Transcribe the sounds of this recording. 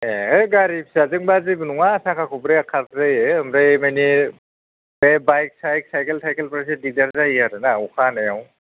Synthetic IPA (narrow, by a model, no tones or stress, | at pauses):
eeɡaɾip̚sazɯŋbazibɯnuŋasakʰakʰubɾeakʰatzajeɯmɾejmajni | bebajk̚sajk̚sajkeltʰajkelpɾasedidaɾzajaɾɯnaukʰanajaw